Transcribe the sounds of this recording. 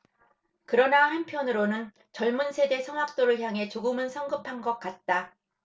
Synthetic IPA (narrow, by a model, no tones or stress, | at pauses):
kɯɾʌnahanpʰjʌnɯɾonɯn | t͡ɕʌɭmunsʰe̞de̞sʰʌŋwak̚t͈oɾɯɭçjaŋɦe̞t͡ɕoɡɯmɯnsʰʌŋɡɯpʰanɡʌk̚k͈at̚t͈a